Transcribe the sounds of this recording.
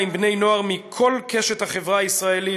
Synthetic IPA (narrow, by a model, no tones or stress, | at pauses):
jmbne̞jno̞aʁmikʰo̞lkʰeʃet̪haχevʁaaisʁaeli